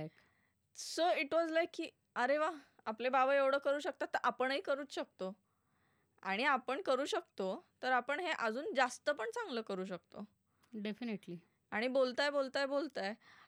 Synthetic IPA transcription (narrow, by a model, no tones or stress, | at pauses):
k | soiʈʋɔd͡zlajkːiː | əɾeʋa | aplebaʋəeʋɽəkːəɾuːɕək̚t̪at̪ːəɾʔapəɳəiːkəɾuːt͡sɕək̚t̪o | a̰ɽ̃iapəɳkəɾuːɕək̚t̪ot̪əɾapəɳɦeʔəd͡zuːnd͡zast̪əpəɳt͡sãŋɡləːkəɾuːɕək̚t̪o | ɖefiniʈli | aɽ̃ibolt̪ajbolt̪ajbolt̪aj